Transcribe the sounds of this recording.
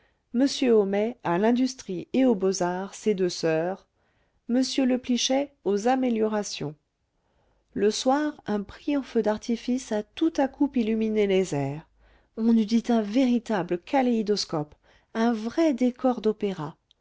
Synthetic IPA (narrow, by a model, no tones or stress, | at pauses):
məsjøɔmɛalɛ̃d̪yst̪χieobozaʁsed̪øsœːʁ | məsjøləpliʃɛozameljɔʁasjɔ̰̃ | ləswaʁɛ̃pχijɔ̃fød̪aʁt̪ifisat̪ut̪akupilyminelezɛːʁ | ɔ̃nyd̪it̪ɛ̃veʁit̪abləkʰaleid̪ɔskɔp | ɛ̃vʁɛd̪ekɔʁd̪ɔpeʁa